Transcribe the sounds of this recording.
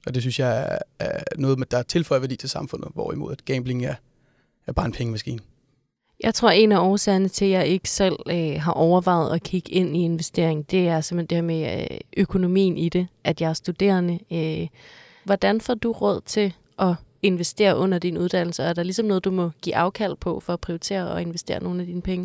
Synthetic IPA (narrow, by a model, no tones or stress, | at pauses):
ʔɒ̽d̥e̝s̬ynsjɑ̈ɪæænɔ̽ːð̩ˠmed̥ɑt͡sʰe̝lfɒ̽ɪɐʋæɐdḭːt͡sʰe̝lsɑ̈mfɔ̽n̰ð̩ˠʋɒ̰imo̝ð̰ˠæd̥ɡ̥eːmb̥le̝ŋæɐ | æb̥ɑ̈ːe̝npʰeŋəmæsɡ̥ḭːn | jɑ̈ɪt͡sʰʁo̝ɐ̰e̝næɒːsɛɐnət͡sʰe̝jɑ̈ɪe̝ɡ̥ə̥sel̰øɦɑ̈ʔɒʊɐʋɑ̈ɪ̰ð̞̩ˠɒ̽kʰiɡ̥e̝n̰ie̝nʋesd̥e̝̰ɐ̰e̝ŋn̩d̥e̝æɐsemhend̥eheɐmeʔøkʰo̝no̝mḭːn̩id̥e̝ʔæd̥jɑ̈ɪæɐsd̥ud̥e̝̰ːɐnəø | ʋɒd̥ænfɒ̰d̥uʁɔð̞̰ˠt͡sʰe̝ | ʔɒ̽e̝nʋesd̥e̝̰ːɐʔɔ̽n̰ɐd̥inuð̞ˠd̥æn̰l̩sɐæɐɾ̥ɑ̈lisɒmnɔːð̩ˠd̥umɒ̽ɡ̥ḭːʔɑ̈ʊkʰæl̰̥̚pʰɒ̽fɒ̽æpʰʁioʊit͡sʰe̝̰ːɐɒe̝nʋesd̥e̝̰ːɐno̝ːn̩æd̥iːnəpʰeŋə